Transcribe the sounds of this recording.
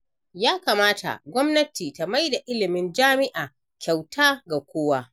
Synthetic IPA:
jaː˦kaː˨maː˦tʰa̰˨ɡʷɔ˦mnɐ˦tiː˨ta˨ma˦jda˨ʔɪ˦lɪ˨mɪ˦nd͡ʒaː˦mɪ˦ʔaː˨ | kʲʰa˨wtaː˦ɡa˨kʷoː˦waː˦

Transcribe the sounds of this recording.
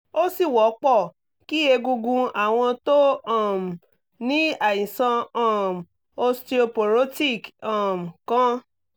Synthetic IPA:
o˦si˦˨wɔ˨˦k͡pɔ˦˨ | ki˦e˧ɡu˧ɡũ˧a˨w̃ɔ̃˧to˦ɔ˦˨m˨ | nĩ˦a˨jĩ˨sã˧ɔ˦˨m˨ | o˧sti˦o˧po˨ɾo˦ti˦˨kɔ˦˨m̩˨kã˦

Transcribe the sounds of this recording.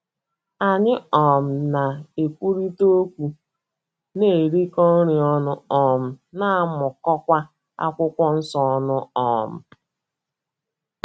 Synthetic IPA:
a˨ɲɪ˦ɔ˨m̩˨na˨e˨kʷu˦ɾi˦to˦kʷu˨ | ne˨ɾi˦kɔ˦n̩˦ɾi˨ɔ˦nʊ˦ɔ˨m̩˨na˦a˦mʊ˨kɔ˦kʷa˦ | a̰˦kʷʊ˦kʷɔ˦n̩˦sɔ˨ɔ˦nʊ˦ɔ˨m̩˨

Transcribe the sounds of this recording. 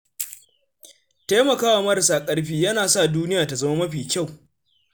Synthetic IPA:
teː˦mɐ˨kaː˦waː˨mɐ˦ɾɐ˨saː˨kʼɐ˦ɽɸiː˦jɐ˦naː˨sa˦˨duː˦nɪ˦jaː˨ta˨zɐ˦ma˦mɐ˦ɸiː˨kʲa˦˨w

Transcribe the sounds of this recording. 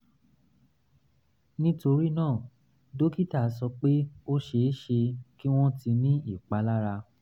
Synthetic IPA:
nĩ˦to˧ɾi˦nãː˦˨ | do˦ki˦ta˦˨˦sɔ˧k͡pe˦o˦ʃe˧˦ʃe˧ki˦w̃ɔ̃˦ti˧nĩ˦i˦˨k͡pa˨˦la˦ɾa˧

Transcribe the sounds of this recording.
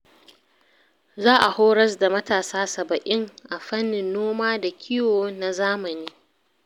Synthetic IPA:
zaː˦ʔa˨hoː˦ɽɐ˦s̬da˨mɐ˦taː˨saː˦sɐ˨bɐ˨ʔɪ˦ŋʔa˨ɸɐ˦nːɪ˨nːoː˦maː˦da˨kʲʰɪ˦joː˨na˨zaː˦mɐ˨niː˦

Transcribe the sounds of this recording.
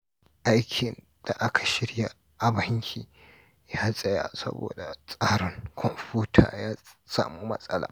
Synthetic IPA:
ʔa˦jkʲʰɪ˨n | d̥a˨ʔa˦kʰḁ˨ʃɪ˦ɽja˦ | ʔa˨bɐ˦ŋkʲʰiː˨ | jaː˦sʼɐ˦ja̰˨sɐ̰˦bo̰ː˨da˨sʼaː˦ɾɪ˦ŋkʷʰɔ˨mpuː˦tʰa̰ː˨jaː˦sa̰ː˨mu˦mɐ̰˦sʼɐ˦la̰ː˨

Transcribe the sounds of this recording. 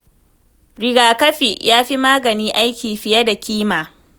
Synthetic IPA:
ɽɪ˨ɡaː˨kɐ˦ɸi˨jʔaː˦ɸi˦maː˦ɡɐ˨niː˦ʔa˦jkʲiː˨ɸɪ˨jɐ˦da˨kʲiː˦maː˨

